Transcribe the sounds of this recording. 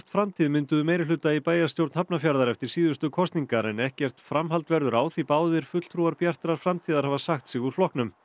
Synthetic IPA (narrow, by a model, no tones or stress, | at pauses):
t̪fɾamt̪ʰiːðmɪnt̪ʏðʏmeːjɾɪlʏt̪aipaːjast̪jowɾt̪nhapnafjaɾðaɾɛft̪ɪɾ̥siːðʏst̪ʏkʰɔst̪niŋkaɾɛnɛhcɛr̥t̪fɾamɦalt̪vɛɾðʏɾaːwθipaːwðɪɾ̥fʏt̪l̥t̪ʰɾuaɾpjar̥t̪ɾaɾ̥fɾamt̪ʰiːðaɾ̥havasaxt̪sɪɣuɾ̥flɔhknʏm